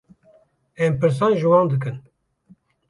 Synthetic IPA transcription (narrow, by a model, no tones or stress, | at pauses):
ɛmpɨɾs̬ɑnʒɨwɑ̃ːnd̪ɨkɨn